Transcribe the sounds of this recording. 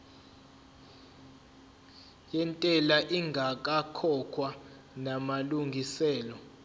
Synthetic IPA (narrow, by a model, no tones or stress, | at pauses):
jɛntʼɛlaʔiŋɡʱak̬ʼakʰɔkʰwa | namaluŋɡʱisɛːlɔ